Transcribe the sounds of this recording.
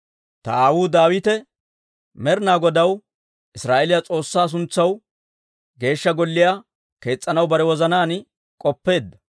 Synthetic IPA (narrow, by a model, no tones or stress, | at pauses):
t̪ɐaːwuːd̪aːwɪt̪ɛ | mɛɾnaːɡɔd̪ɐw | ʔɪsɾaːʔɛlɪjat͡sʼo̞ːsːaːs̬ʊnt͡sːɐw | ɡe̞ːʃːɐɡɔlːɪjaː | ke̞ːt͡sʼːɐnɐwbɐɾɛwɔzɐnaːn | kʼɔpːe̞ːd̪ːɐ̥